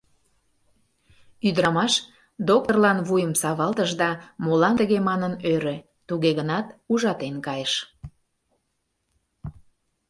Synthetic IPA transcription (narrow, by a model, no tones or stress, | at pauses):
yd̪ɾɑmɑʃ | d̪ok̚t̪orlɑnβujəmsɑβɑlt̪əʒd̪ɑmolɑnt̪əɣemɑnənøɾø | t̪uɣeɣənɑt̪uʒɑt̪enkɑjəʃ